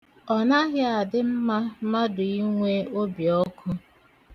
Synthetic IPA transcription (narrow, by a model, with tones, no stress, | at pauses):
ɔ˨na˦ɦɪ˦a˨dɪ˦m̩˦ma˦ma˦dʊ˨i˦ŋʷe˦o˦bjɔ˦kʰʊ˦